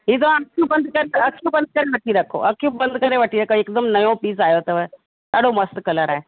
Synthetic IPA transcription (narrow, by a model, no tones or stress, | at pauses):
ɦit̪oəkʰjubənd̪kaɾeəkʰjubənd̪̚kaɾeʋəʈiːɾakʰo̰ʔəkʰːjupbənd̪kaɾeʋəʈiːɾakoekd̪əmnəjõpiːd͡zajot̪əʋə | t̪aɽoməst̪kələɾaɦe